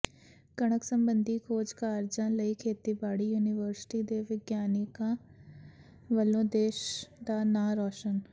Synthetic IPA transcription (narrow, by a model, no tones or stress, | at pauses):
kəɽ̃əksə̃mbə̃nd̪ʱiːkʰoːd͡ʒkaːɾd͡ʒãːləikʰeːt̪iːbaːɽijuːnɪʋəɾsɪ̥ʈid̪eːʋɪɡjaːnɪkãː | ʋəlõːd̪eːʃd̪aːnaːɾɔːʃən